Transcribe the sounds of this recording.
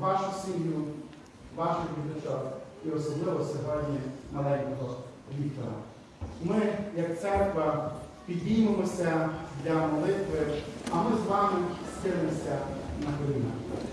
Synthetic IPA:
ʋɑʃʊsʲiɦnʲʊ | ʋɑʃɔʋʲid̪ɐt͡ʃɔ | iɔsɔblˠɪʋɔsʲɔɦɔdʲnʲinɐlˠɛnkɔɦɔ | ʋʲikt̪ɔɾɐ̰ | mɪjɐk̚t̪sɛrkʋɐpʲid̪ʲnʲijmemɔsʲɐd̪lʲɐmɔlˠɪt̪ʋɪɐmɪzʋɑmɪst̪ɪlemɔsʲɐnɐkɔlʲina̰

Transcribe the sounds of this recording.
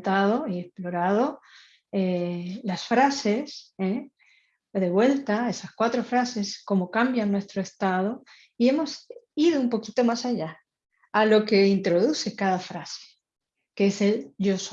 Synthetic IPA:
t̪aðo̞iesplo̞ɾað̞o̞ | elasfɾase̞se | ðe̞βwe̞lt̪ae̞saskwat̪ɾo̞fɾase̞sko̞mo̞kambjanːwe̞st̪ɾoe̞st̪að̞o̞ | ie̞mo̞siðoumpo̞kit̪o̞masaʝa | alo̞ke̞int̪ɾo̞ðuθe̞kaðafɾase̥ | keese̞lʝo̞s

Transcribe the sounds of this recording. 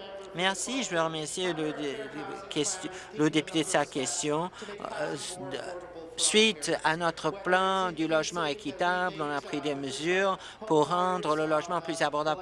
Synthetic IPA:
mɛʁsiʒəvøʁəmɛʁsjelə | kʲɛst̪jlod̪epyt̪ed̪əsakʲɛst̪jɔ̃ | sɥit̪anɔt̪χəplɑ̃d̪ylɔʒmɑ̃ekʲit̪ablɔ̃napχid̪eməzyːʁ | puʁːɑ̃d̪ʁələlɔʒmɑ̃plyzabɔʁd̪ab

